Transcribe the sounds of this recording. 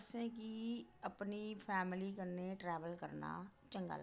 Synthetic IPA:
sẽːkiəpnipʰɛːmɪlikəɾneʈɾɛːʋəlkəɾna̰ːt͡ʃə̃ŋɡa̰ːl

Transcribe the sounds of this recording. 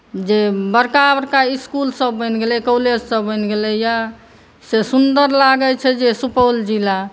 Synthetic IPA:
d͡ʒebəɾkabəɾkaiskulsəbːənɡelɛkoled͡ʒsəbːənɡelɛja | sesund̪əɾlaɡət͡ʃʰɛd͡ʒesupəld͡ʒila

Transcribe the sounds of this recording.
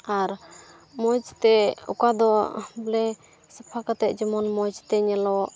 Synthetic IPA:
aɾ | mɔd͡ʒt̪ɛṵkad̪ɔblɛ | səpʰakat̪ɛʔ̚d͡ʒɔmɔnmɔd͡ʒt̪ɛɲɛlɔʔ

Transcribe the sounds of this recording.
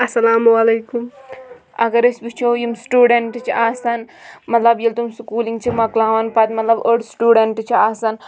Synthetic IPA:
ɐsɐlaːmuwɐlejkum | ɐ̰ɡɐɾesbit͡ʃʰoːjimsʈuːɽeɳʈt͡ʃʰiʔaːsanmɐt̪lɐbjilt̪umskuːliŋɡt͡ʃʰimɐklaːʋɐnpɐt̪mɐt̪lɐbəɖsʈuːɖeɳʈt͡ʃʰiaːsan

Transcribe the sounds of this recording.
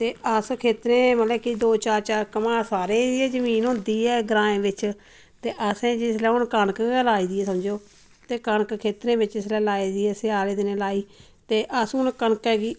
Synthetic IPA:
t̪eːəskʰeːt̪ɾẽːməlɛːkid̪oːt͡ʃaːɾt͡ʃaːɾkəmãːsaːɾeːɛːzəmiːnɦʊ̃nd̪iːɛːɡɾãːẽːʋɪt͡ʃ | t̪eːʔəsẽːd͡ʒɪslɛːʊnkənəklaːiːd̪iːɛːsəmd͡ʒoː | t̪eːkənəkkʰeːt̪ɾẽːbɪt͡ʃɪslɛːlaːiːd̪iːɛːsɪaːleːd̪ɪnẽːlaːiː | t̪eːʔəsʊnkənkɛːɡiː

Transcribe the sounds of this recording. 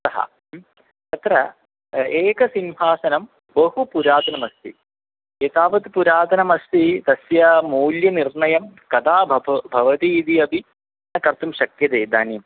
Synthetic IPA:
ɐɦɐ̰ | ɐt̪rɐ | eːkɐsinʋʱaːsɐnɐm | bɐhupuɾaːd̪ʱɐnɐmɐst̪ḭ | eːt̪aːʋɐt̪puɾaːd̪ʱɐnɐmɐst̪id̪ɐsjɐmoːljɐnirɳɐjɐmkɐd̪aːbʱɐʋɐt̪iːd̪iɐbʱi | ɐkɐrt̪ːumɕɐkjɐd̪eːd̪aːnjɐm

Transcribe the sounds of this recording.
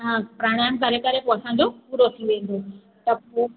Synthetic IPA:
ɦãpɾaɽ̃aːmkəɾekəɾepoɐsãːɲd͡ʑopuːɾot̪ʰiʋẽːn̆d̪o | t̪ɐpo

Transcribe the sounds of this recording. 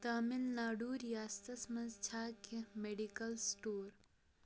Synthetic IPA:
t̪ɐmilnaːɖuːɾjaːst̪ɐsmɐ̃nzt͡ʃʰaːkemeɖikɐlsʈoːɾ

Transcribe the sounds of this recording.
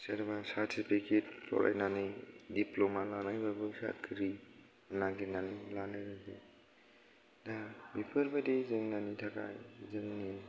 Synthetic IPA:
seɾbasaɾtʰipʰiket̚pʰɔ̰ɾa̰jnanɯjdiplomalanajbabɯsa̰kʰɾi | naɡinanilanajɾaɡi | dabipʰɯɾbadizɯŋnanitʰaka̰jzɯŋni

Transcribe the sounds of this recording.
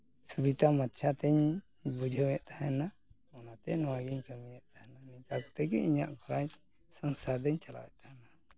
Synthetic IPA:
subit̪amat̪t͡ʃʰat̪ɛɲ | bud͡ʒʱəwɛʔt̪ahɛna | ɔnat̪ɛnɔwaɡiɲkəmijɛʔt̪ahɛnanik̪akɔ̥t̪ɛkɛ̰iɲa̰ʔɡʰɔɾaj | səŋsad̪ɛɲt͡ʃala̰wɛ̰ʔt̪ahna

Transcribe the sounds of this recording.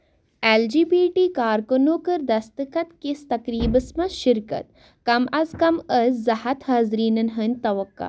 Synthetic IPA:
eːld͡ʒiːbiːʈiːkaːɾkɐnoːkəɾd̪ɐst̪ɨkɐt̪kest̪ɐkɾiːbəsmɐʃɪɾkɐ̰t̪̚ | kɐmɐzkɐməzzɐhɐt̪haːzɾiːnɐnɦənʲt̪ɐʋɐkːa̰

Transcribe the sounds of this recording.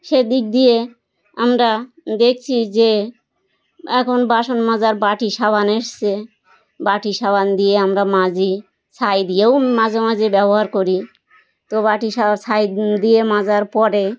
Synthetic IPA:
ʃed̪ik̚d̪ije | amɾa | d̪ek̚ʰt͡ɕʰid͡ʑe | ɛkʰonbaʃonmad͡ʑaɾbaʈiʃaβʱaneʃt͡ɕʰe | baʈiʃaband̪ijeamɾamad͡ʑi | sʰajd̪ijewmad͡ʑemad͡ʑibɛboɦaɾkoɾi | t̪obaʈiʃasʰajd̪iemad͡ʑaɾpɔɾe

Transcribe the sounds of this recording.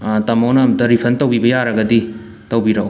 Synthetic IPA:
tɐmownɐmdɐɾipʰɐntɐwbibɐjaɾɐɡɐdi | tɐwbiɾɐw

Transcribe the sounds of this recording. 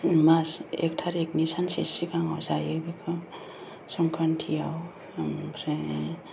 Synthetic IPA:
masḛk̚ʈʰaɾek̚nisansesikaŋa̰wsajebikʰɔ | sɔŋkʰantʰijaw | pʰɾe

